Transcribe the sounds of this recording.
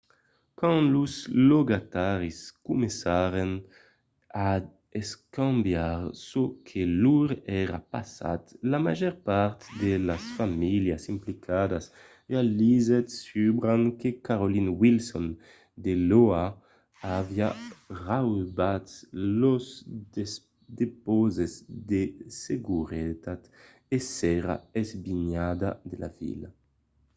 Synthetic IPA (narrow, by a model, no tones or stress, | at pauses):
kãnluzloɡat̪aɾiskumesaɾen | a | eskãmbjaɾsokʰeluɾɛɾapasa̰t̪lamaʒɛɾpaɾt̪d̪elasfamiljasimplikʰad̪as | ealizet̪sybɾaŋkekaɾolinwilsɔn | d̪eloa | aviarawbat̪loze | d̪epozezd̪eseɡuɾet̪at̪ | esɛɾa̰ezbiɲad̪ad̪ela̰vḭla